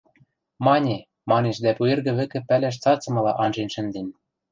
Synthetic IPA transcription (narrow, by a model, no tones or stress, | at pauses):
mɑnʲe | mɑneʃd̪æpuerɣɘ̆βɘ̆kɘ̆pælæʃ̬t͡sɑt͡sɤ̆mɤ̆lɑʔɑnʒenʲʃɘ̆nd̪ĕnʲ